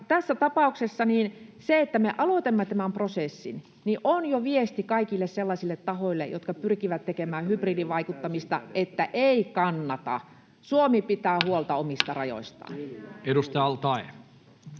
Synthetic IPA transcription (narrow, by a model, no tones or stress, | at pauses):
t̪æsːæt̪ɑpɑˑuksesːɑniːnseet̪ːæmeʔɑlot̪emːɑt̪æmæmprosesːin | niʔʔonjoʋiest̪ikɑikilːesselːɑsilːet̪tɑhoilːḛjo̰t̪kɑpyrkiʋæt̪t̪ekemæːhypriːdiʋʋɑikut̪ːɑmist̪ɑ̰et̪ːæʔeikɑnːɑt̪ɑ̰ | suomipit̪æːhuolt̪ɑomist̪ɑrɑjo̰ist̪ɑ̰ːnedust̪ɑjɑlt̪ɑe